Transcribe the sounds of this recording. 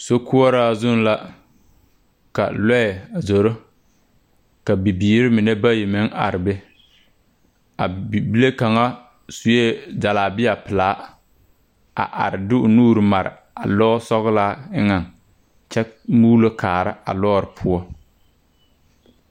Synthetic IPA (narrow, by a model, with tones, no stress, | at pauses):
so˦ku˦ɔ˦ɾa˦zʊ˦n˦la˦ | ka̰˨lɛ˦ɛ˨a˨zo˨ɾo˦ | ka˨bi˨biː˨ɾɪ˦mɪ˨nɛ˦ba˦jɪ˨mɪ˦ŋa̰˨ɾɪ˨bɛ˦ | a˨bi˦le˦ka˨ŋa˦ | su˨je˦da˨laː˨bɪ˦a˨pɪ˨laː˨˦ | a̰˨ʔa̰˨ɾɪ˨dɪ˦ʊ˨nuː˦ɾɪ˨ma˨ɾɪ̰˨ | a̰˨lɔː˦sɔ˦ɣlaː˦ɪ˦ŋa˨ŋ | t͡ʃɛ˦muː˦lo˦kʰaː˨ɾɪ̰˦a̰˨lɔː˦ɾɪ˨pʰʊ˦ɔ˦